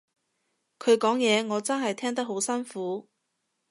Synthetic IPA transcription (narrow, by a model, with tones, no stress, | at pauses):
kʰɵ˨˧ɥkɔː˨˥ŋjɛː˨˧ŋɔː˨˧t͡sɐ˥nɦɐ˨jt̪ʰɛː˥ŋt̪ɐ˥k̚ɦo˨˥wsɐ˥nfuː˨˥